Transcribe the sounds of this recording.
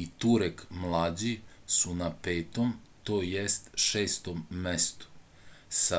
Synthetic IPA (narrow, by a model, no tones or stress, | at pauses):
it̪uɾekmlˠaːd͡ʑisunapeːt̪omt̪oːjest̪ʃeːst̪omːest̪u̥ | sa